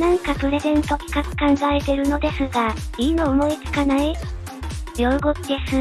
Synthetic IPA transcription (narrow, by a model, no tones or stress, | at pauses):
nãŋkapɯ̟ɾe̞zẽ̞nt̪o̞kʲi̥kakɯ̟̥kãŋɡaɾet̪e̞ɾɯ̟no̞d̪e̞sɨɡaiːnoːmo̞it͡sɨ̥kanai | jʲjo̞ɯɡo̞kd̪e̞sɨ